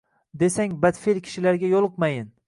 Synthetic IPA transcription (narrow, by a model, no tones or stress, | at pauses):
d̪e̞saŋbad̪felkʲʰɪ̥ʃɪlaɾɡʲajolˠɨq̚majɪn